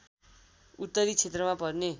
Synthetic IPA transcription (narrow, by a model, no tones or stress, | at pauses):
ut̪ːʌɾit͡sʰet̪rʌmapʌrne